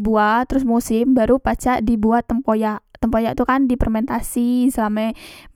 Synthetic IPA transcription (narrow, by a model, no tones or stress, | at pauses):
buat̪əɾʊs̬musɪmbaɾupat͡ʃaʔdibuat̪ːəmpojaʔt̪əmpojaʔt̪ukandipərmɛnt̪asisəlamɛ